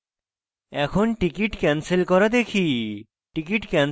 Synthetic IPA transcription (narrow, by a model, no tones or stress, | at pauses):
ɛkʰonʈikiʈkɛnselkɔɾad̪ekʰi | ʈikiʈkɛn